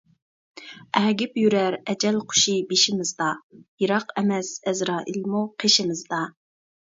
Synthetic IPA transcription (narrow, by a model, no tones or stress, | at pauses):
ɛɡʲɪpjyɾæɾɛd͡ʒɛlqʰʊ̥ʃibeʃɪmɪzd̪ɑjiɾɑqɛmɛsɛzɾɑːʔilmuqʰeʃɪmɪzd̪ɑ